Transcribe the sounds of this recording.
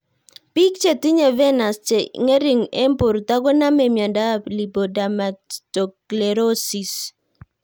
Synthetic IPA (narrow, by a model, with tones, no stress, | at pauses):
pi˦kt͡ʃe˨ti˦ɲe˨vɛ˦na˨st͡ʃe˨ŋe˦ɾi˨ŋɛ˦mpʊ˨ɾt̪a˦ɡɔ˦na˦mɛ˨mja˨nda˦li˨bo˨da˨ma˨tɔ˨kle˨ɾo˦si˨s